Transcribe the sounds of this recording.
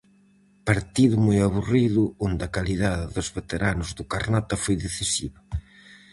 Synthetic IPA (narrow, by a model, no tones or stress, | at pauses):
paɾt̪iðʊmojaβuriðʊond̪ɐkaliðaðɪðʊzβet̪eɾanʊzðʊkaɾnat̪ɐfojðeθisḭβa